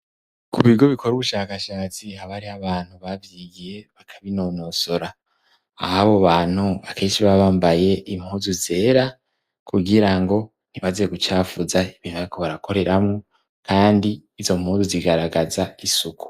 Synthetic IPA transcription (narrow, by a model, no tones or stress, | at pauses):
kʰuβiɡo̞βikʰo̞ɾuβuʃaːkaʃaːt͡sihaβaɾiaβaːn̥huβavjiɡije̞βakʰaβinoːno̞so̞ɾa̰ː | haβoβaːn̥huβakʰe̞ːnʃiβaβaːmbaje̞ʔimhuːzuze̞ːɾa | kʰuɡiɾaŋɡo̞ | n̥imazeeɡut͡ʃaːfuzaiβiːn̥uβaɾikʰo̞βaɾakʰo̞ɾe̞ɾʔamŋo | kʰaːndiːzo̞m̥huːzuziɡaɾaɡazaisukʰu̥